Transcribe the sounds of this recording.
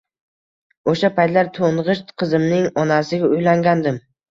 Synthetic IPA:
oʃapʰajt̪laɾt̪ʰoɴʁɨʃt̪qʰɨzɪmnɪŋɒnasɪɡʲaʊjlaŋɡʲand̪ɪm

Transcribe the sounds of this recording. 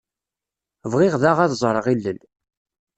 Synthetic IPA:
vʁɪʁðaʁæðzˤɾˤəʁilːəl

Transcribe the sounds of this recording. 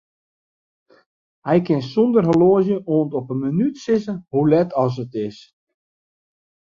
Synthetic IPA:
hɛjkɪnsɔndərɦəloəzjəʔoːntɔpənmənytsɪsəhulɛtʰɔs̬ətɪs

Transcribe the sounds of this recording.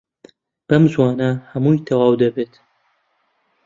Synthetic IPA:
b̥ɐmzwɑːnɐhɐmuːjt̪ʰɐwɑːwd̪ɐbeːt̪

